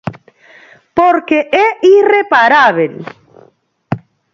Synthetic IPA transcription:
poɾkeʔɛirepaɾaβel

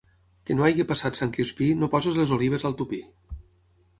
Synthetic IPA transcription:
kənoajɣipasat̪saŋkɾispinopɔzezlezoliβ̞əzəlˠt̪upi

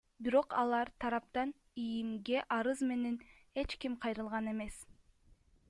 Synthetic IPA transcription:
biɾo̞qɑlˠɑɾt̪ʰɑɾɑp̚t̪ɑn | ijimɡe̞ʔɑɾɯzme̞ne̞n | e̞t͡ʃkimqʰɑjɾɯlˠʁɑne̞me̞s

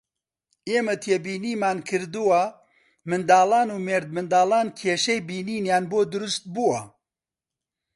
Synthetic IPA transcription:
eːmɐt̪ʰeːbiːniːmaːnkʰɨɾd̪uwɐ | mɨnd̪aːlaːnuːmeːɾd̪̚mɨnd̪aːlaːnkʰeːʃɛjbiːniːnjaːnboːd̪ʊɾʊst̪̚buwɐ

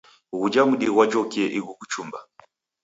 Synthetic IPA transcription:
ɣud͡ʒamuɗiɣwat͡ʃɔkiɛʔiɣukut͡ʃumba

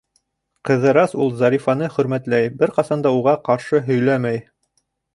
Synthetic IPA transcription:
qɤ̆ðɤ̆ɾɑsulˠzɑɾifɑnɤχɵ̆ɾmæt̪læjbɘɾqɑsɑnd̪ɑuʁɑqɑɾʃɤɦɵ̆jlæmæj

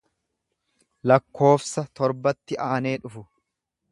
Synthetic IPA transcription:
lɐkːo̞ːfsɐt̪ɔɾbɐt̪ːɪʔaːne̞ːᶑʊfʊ

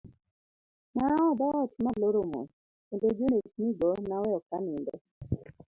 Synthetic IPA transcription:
naɔdaɔt͡ʃmaloɾomo̰ | pended͡ʒonesniɡɔnawɛɔkanɪndɔ

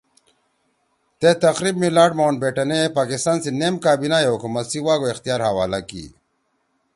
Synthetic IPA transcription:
t̪et̪ɐxɾiːbmilaːɖmoːnbeʈɐnepaːkist̪aːnsinemkaːbinajeɦukumɐt̪siwaːɡoixt̪ijaːɾhɐwaːlakḭ

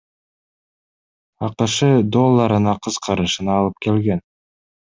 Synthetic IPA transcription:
ɑqɯʃɯd̪o̞lˠːɑɾɯnɑqʰɯz̥qʰɑɾɯʃɯnɑːlˠɯp̚ke̞lɡe̞n

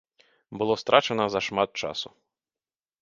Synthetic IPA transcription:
bɨlˠɔst̪ɾʔat͡ʃɛnɐzɐʃmat̪̚t͡ʂa̰su

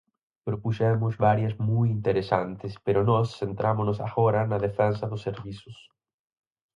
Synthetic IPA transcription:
pɾopuʃɛmʊzβaɾjazmujint̪eɾesant̪espeɾonɔsːent̪ɾamonosa̰ɣoɾanaðefɛnsaðʊsːeɾβisʊs

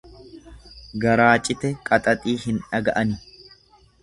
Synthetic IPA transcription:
ɡɐɾaːt͡ʃʼɪt̪ɛkʼɐt̪ʼɐt̪ʼiːhɪnᶑɐɡɐʔɐnɪ

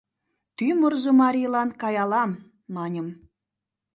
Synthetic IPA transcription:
t̪ymorzŏmɑɾʲilˠɑnkɑjɑlˠɑmː | ɑnʲə̆m

